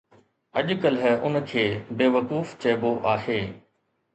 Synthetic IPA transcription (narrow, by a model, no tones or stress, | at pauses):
ɐʄkəlɦʊnəkʰeːbeːʋɐkuːft͡ɕɐɪboʔaːɦeː